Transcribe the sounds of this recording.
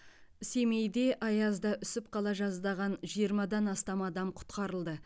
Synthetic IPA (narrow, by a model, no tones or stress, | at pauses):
ɪse̞mejd̪e̞ʔɑjɑzd̪ɑʔʏsɪp̚qʰɑlˠɑʒɑzd̪ɑʁɑnʒijəɾmɑd̪ɑnɑst̪ɑmɑd̪ɑmqʰʊ̥t̪qɑɾəlˠd̪ə